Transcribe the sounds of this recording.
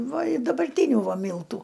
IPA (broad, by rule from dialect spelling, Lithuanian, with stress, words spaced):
ˈʋɐ ɪ dɐbɐrʲˈtʲiːnʲʊ ˈʋɐ ˈmʲiːlˠtʊ